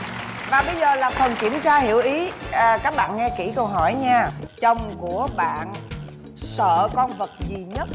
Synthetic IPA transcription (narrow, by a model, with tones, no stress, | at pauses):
vaː˨˩ɓə˧jzəː˨˩laː˨˩fə˨˩nki˧˩əmt͡ɕaː˧hi˧˩əwʔi˨˦˨kaː˦˥k̚ɓa̰ː˧˨nŋɛ˧ki˧˩kə˧wɦɔ˧˩jɲaː˧t͡ɕə˨˩wŋ͡mku˧˩əɓa̰ː˧˨n | sə̰ː˧˨kɔ˧nvə˨˩t̚zi˨˩ɲə˦˥t̚